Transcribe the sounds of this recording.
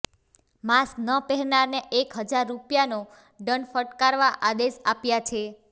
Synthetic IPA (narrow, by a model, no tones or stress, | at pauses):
masknəpɛɦɾnaɾneʔekɦəd͡ʒaɾːupjano | ɖəɳfəʈkaɾʋaʔad̪eʃapjat͡ʃʰe